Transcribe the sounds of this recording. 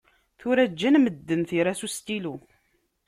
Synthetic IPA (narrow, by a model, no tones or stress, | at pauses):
θʊɾæd͡ʒːænməd̪ːənθiɾæsust̪ilu